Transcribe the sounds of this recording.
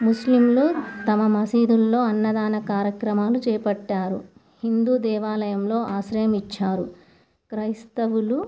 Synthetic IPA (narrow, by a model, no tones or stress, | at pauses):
muslimlut̪ɐmɐmɐsiːd̪ulːo̞ːɐnːɐd̪aːnɐkaːɾjɐkɾɐmaːlut͡ʃɛːɐpɐʈːaːɾṵ | hind̪uːd̪ɛːʋaːlɐjɐmlo̞ːʔaːsɾɐjɐmit͡ʃːaːɾu | kɾɐjst̪ɐʋulu